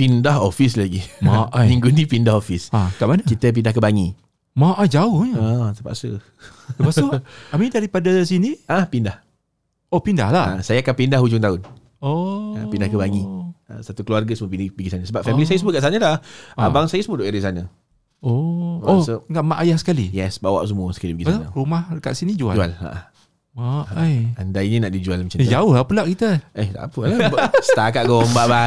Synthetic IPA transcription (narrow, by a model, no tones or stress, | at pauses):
pindaɦofis̬laɡimamiŋɡunipindahofisakaʔmanəkit̪əp̬indahkəbaŋi | maʔad͡ʒaʊhɲəət̪əpa̰ʔsə̰ | t̪əpasoamidaɾipadasinĩahpindah | opinda̰hlaə̰sajakanpindahɦud͡ʒʊŋt̪aʊn | oəpindahkəbaŋia̰sat̪ukluarɡasəmuəpinibəɡisanasəbapfɛmilis̬ajəs̬əmukaʔs̬anəlahabaŋsajasəmuodoʔeɾisanə | oosoŋaʔmaʔajahsə̥kalijɛsbawa̰ʔs̬əmuəsə̥kalibəɡisna̰rumahka̰ʔsinid͡ʒuad͡ʒuala̰ʔah | ajandaininaʔdid͡ʒualmət͡ʃad͡ʒaʊhlapulaʔkit̪əehta̰pəlabsət̪akaʔɡɔmbaʔba